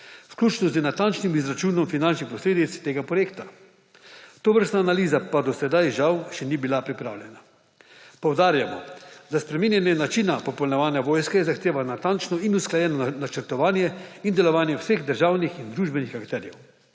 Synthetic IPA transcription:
wsklʲuːt͡ʃnɔzənat̪ant͡ʃnimizɾat͡ʃuːnɔmfinant͡ʃnixpɔsleːd̪it̪st̪eːɡapɾɔjeːkt̪ḁ | t̪oːʋəɾst̪naːnaliːzapad̪ɔsɛd̪ajʒawʃɛnibilapɾipɾa̰ːwlʲjɛna | pɔwd̪aːɾjamɔ̰d̪aspɾɛminjɛnjɛnat͡ʃinapɔpɔlnɛʋaːnjaʋoːjskajɛzaxt̪eːʋanat̪ant͡ʃnɔinusklajɛnɔnat͡ʃəɾt̪ɔʋaːnjɛind̪ɛlɔʋaːnjɛwseɣd̪əɾʒaːwnixind̪ɾuːʒbɛnixakt̪ɛːɾjɛw

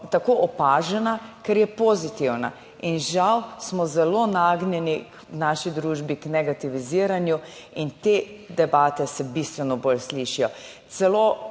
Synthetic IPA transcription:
t̪akoʔɔpaːʒɛnakɛɾjɛpozit̪iwna̰ | inʒawsmɔzɛlonaːɡnjɛniknaːʃid̪ɾuːʒbiknɛɡat̪iʋiziːɾanju | int̪eːd̪ɛbaːt̪ɛsɛbist̪ʋɛnɔbolsliʃijɔ | t̪sɛlo

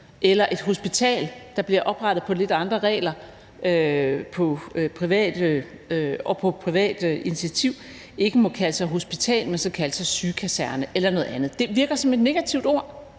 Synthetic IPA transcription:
ʔelɐʔe̝d̥ɦo̝sb̥it͡sʰɛ̰ːld̥ɑ̈b̥liɐʔɒ̽b̥ʁɑ̈ɾ̥ð̩ˠpʰɒ̽le̝d̥ɑ̈nd̥ʁɐʁɛ̰ːlɐ | øpʰɒ̽pʰʁiʋɛ̰ːd̥ | ɒ̽pʰɒ̽pʰʁiʋɛ̰ːd̥init͡sʰiæt͡sʰiʊ̰ | e̝ɡ̥əmɔ̽kʰæləsɑ̈ɪɦo̝sb̥it͡sʰɛ̰ːlmensɒ̽kʰæləsɑ̈ɪsyːkʰæsæɐnəʔelɐnɔ̽ð̩ˠænð̩ˠd̥e̝ʋiɐɡ̥ɐsɒ̽me̝d̥ne̝ɡ̥æt͡sʰiʊd̥o̝ɐ̰

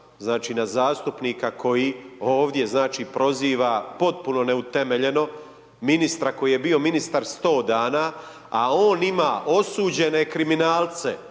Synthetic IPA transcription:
znaːt͡ʃiːnazaːst̪upniːkakʰo̞jiːoːʋd̪je̞znaːt͡ʃiːpɾo̞ziːʋapo̞t̪̚puno̞ne̞ut̪eme̞ʎe̞no̞ | minist̪ɾako̞jije̞bio̞minist̪aɾst̪o̞ːd̪aːna | a̰o̞ːnimaːʔo̞suːd͡ʑe̞ne̞kɾiminaːlt̪se

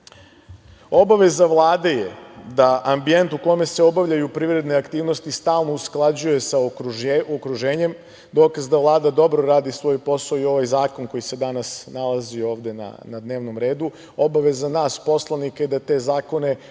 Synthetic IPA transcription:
o̞baʋe̞zaʋlˠaːd̪e̞jed̪aʔambije̞nt̪uko̞me̞se̞o̞baʋʎajupɾiʋɾe̞d̪ne̞akt̪iːʋno̞st̪ist̪aːlˠno̞usklˠad͡ʑuje̞sa | okɾuʒeːɲem | d̪o̞ːkazd̪aʋlˠaːd̪ad̪o̞bɾo̞ɾaːd̪isʋo̞ːjpo̞saoio̞ʋajzaːko̞nko̞jise̞d̪anasnalˠazio̞ːʋd̪e̞na̰nad̪ne̞ːʋno̞mɾe̞ːd̪u | o̞baʋe̞zanaːspo̞slˠanikaid̪at̪e̞ːzaːko̞ne̞

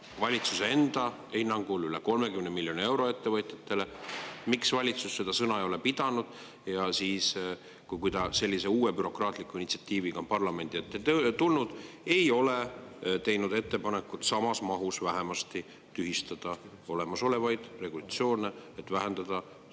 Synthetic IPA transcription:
vɑlʲit̪susee̞nd̪̥ɑ | hinːɑŋɡ̥ulyleko̞lme̞kymnemilʲːjo̞nie̞wɾo̞e̞t̪ːe̞vɤt̪ʲˑjɑt̪ːe̞lemiksvɑlʲit̪susːe̞d̪̥ɑsɤnɑejo̞le̞pid̪̥ɑnud̪̥ | jɑsiːs | kujkujd̪ɑse̞lʲːise̞uːwepyɾo̞krɑːt̪ˑlikːˑuinit̪si̥ɑt̪ʲːiːviɡ̥ɑmpɑrlɑme̞nd̪̥iet̪ːˑet̪ulnud̪̥ | e̞jo̞let̪e̞jnud̪e̞t̪ːe̞pɑne̞kːut̪sɑmɑsmɑɦusvæɦemɑst̪i | t̪yɦhist̪ɑd̪̥ɑ | o̞le̞mɑso̞le̞vɑjd̪̥re̞ɡulɑt̪sio̞ːneet̪ːvæɦend̪̥ɑd̪̥ɑ

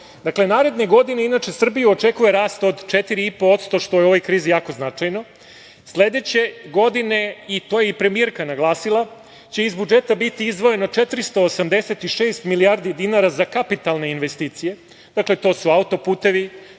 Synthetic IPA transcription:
d̪akle̞naːɾe̞d̪ne̞ɡo̞d̪ineinaːt͡ʃe̞sr̩bijuot͡ʃe̞kujeɾaːst̪o̞d̪t͡ʃet̪iɾiipo̞ot̪st̪o̞ʃt̪o̞jeo̞ʋo̞jkɾiːzijaːko̞znat͡ʃajno̞ | sle̞d̪e̞t͡ɕe̞ɡo̞d̪ine̞it̪ojeipɾe̞mie̞ɾkanaɡlˠaːsilˠa | t͡ɕe̞izbud͡ʒe̞t̪abit̪iizd̪ʋo̞je̞no̞t͡ʃe̞t̪ɾist̪o̞ːsamd̪e̞set̪iʃeːst̪milijaːɾd̪id̪inaɾazakapit̪alˠne̞inʋe̞st̪iːt̪sije̞ | d̪akle̞t̪o̞ːsuaut̪o̞puːt̪e̞ʋi

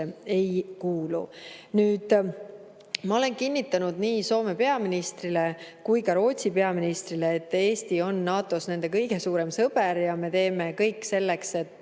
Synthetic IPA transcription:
ee̞jkuːlṵnyːd̪̥ | mɑo̞le̞nkinʲːit̪ːˑɑnud̪̥niːso̞ːme̞pe̞ɑminist̪rile̞kujkɑɾo̞ːt̪ʲsipe̞ɑminist̪rile̞ːt̪ːe̞ːst̪io̞nːɑːt̪ːˑo̞sne̞nd̪̥e̞kɤjɡ̥e̞suːɾe̞msɤb̥eɾjɑme̞t̪e̞ːme̞kɤjkːˑse̞lːe̞kse̞t̪ː

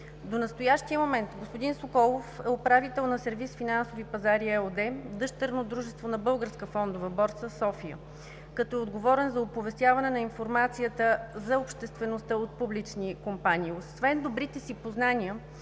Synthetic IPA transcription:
d̪onɐst̪ojaʃt̪iəmomɛnt̪ɡospod̪insokɔlˠofɛopɾavit̪ɛlˠnɐsɛɾvisfinansovipɐzaɾiɛod̪ɛd̪ɤʃt̪əɾnod̪ɾuʒɛst̪vonɐbɤlˠɡəɾskəfɔnd̪ovɐbɔɾt̪səsɔfiə̰ | kɐt̪ɔɛod̪ɡovɔɾɛnzɐopovɛst̪ʲjavɐnɛnɐinfoɾmat̪sijət̪əzɐopʃt̪ɛst̪vɛnost̪əot̪̚publit͡ʃnikompanʲiːosvɛnd̪obɾit̪ɛsipoznaniə

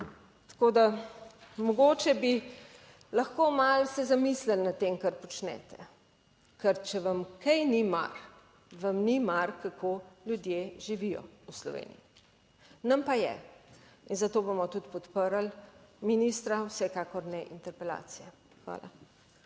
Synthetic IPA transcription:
t̪ḁkod̪a | mɔɡoːt͡ʃɛbi | lɐxkomalsɛzamislɛlnat̪t̪ːeːmkɐɾpɔt͡ʃnɛ̰ːt̪ɛ | kɛɾt͡ʃɛʋɐmkʰɛjnima̰ɾ | ʋɐmnimaɾkakʰoljud̪jeʒiʋijɔ̰uslɔ̰ʋḛːnḭji | nɐmpajɛ̰ | inzat̪oːbomɔt̪ut̪pɔt̪pəɾalminist̪ɾawsɛkaːkɔɾnɛʔint̪ɛɾpɛla̰ːt̪sijɛ | xʋa̰ːla̰

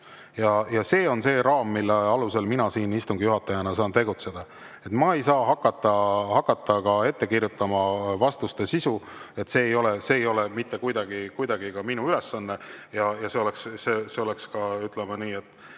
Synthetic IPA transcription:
jɑjɑse̞ːo̞nse̞ːɾɑːmːilːeɑluse̞lminɑsiːnist̪uŋɡijuɦɑt̪ːˑɑjɑnɑsɑːnt̪e̞ɡut̪se̞d̪̥ɑ | e̞t̪mɑejsɑːɦɑkˑːɑt̪ːˑɑhɑkːˑɑt̪ːɑkɑe̞t̪ːe̞kirjut̪ːˑɑmɑvɑst̪ust̪e̞sisue̞t̪ːse̞ːjo̞le̞se̞ːjo̞le̞mit̪ːe̞kujd̪ɑɡikujd̪ɑɡikɑminuyle̞sːɑnːejɑjɑse̞o̞le̞ksseseo̞le̞kskɑyt̪ˑlemɑniːe̞t̪ːˑ

